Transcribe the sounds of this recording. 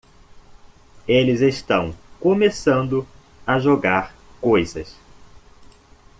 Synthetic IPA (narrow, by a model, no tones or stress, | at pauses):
elɪzeʃt̪ɐ̃w̃komesɐ̃nd̪ʊ | ɐʒoɡaɾ | kojzɐs